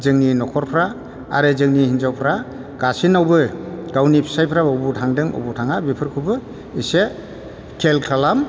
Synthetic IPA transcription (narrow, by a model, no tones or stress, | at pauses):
zɯŋninɔkʰɔɾpʰɾa | a̰ɾɯzɯŋnihinzawpʰɾa | ɡ̥asinawbɯɡ̥awnipʰi̥sajpʰɾaɔwbutʰaŋdɯŋɔ̰wbutʰaŋabipʰɯɾkʰɯbɯ | ise | kʰelkʰalam